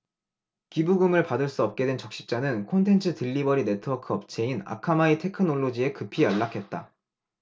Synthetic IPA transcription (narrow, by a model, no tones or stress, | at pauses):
kibuɡɯmɯɭpadɯɭs͈uʌp̚k͈e̞dwe̞nt͡ɕʌkɕ͈i̥p̚t͡ɕ͈anɯnkʰontʰe̞nt͡ɕʰɯtɯʎːibʌɾine̞tʰɯʌkʰʌp̚t͡ɕe̞ina̰kʰamaitʰe̞kʰɯnoɭːod͡ʑie̞kɯpʰiʌɭːakʰe̞t̚t͈a